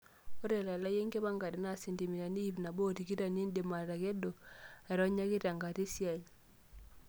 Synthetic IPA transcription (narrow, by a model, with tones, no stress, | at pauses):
o˦ɾe˨la˨la˦je˦ŋɡe˦βa˦˨ŋɡa˨ɾi˨na˦˨si˨ndi˨mi˨ɾa˨ni˦i˦βna˨bo˦ti˨ki˦ɾa˨ni˦nde˨ma˨ɾa˨ɣe˦do˨a˨ɾo˦ɲa˦ɣe˦ɾa˨ŋɡa˨ti˦sja˨ji˨